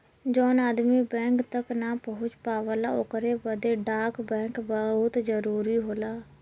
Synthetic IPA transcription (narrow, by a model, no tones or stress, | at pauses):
d͡ʒoːnaːd̪miːbɛ̃ːŋkt̪əknaːpəɦʊt͡ʃpaːʋəlaːʊkəɾeːbəd̪eːɖaːkbɛ̃ːkbəɦʊt̪d͡ʒəɾuːɾiːɦoːlaː